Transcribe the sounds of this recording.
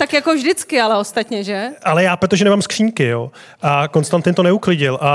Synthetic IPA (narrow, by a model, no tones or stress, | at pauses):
t̪akjakovʒdɪt͡skɪalɛo̞st̪at̪ɲɛʒɛʔalɛjaːpɾot̪o̞ʒɛnɛmaːmskr̝̥iːɲkɪjoː | ʔako̞nst̪ant̪ɪnt̪o̞nɛuklɪɟɪlʔa